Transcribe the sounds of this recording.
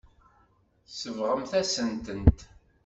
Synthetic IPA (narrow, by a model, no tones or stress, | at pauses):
səvʁəmθæsənt̪ənt̪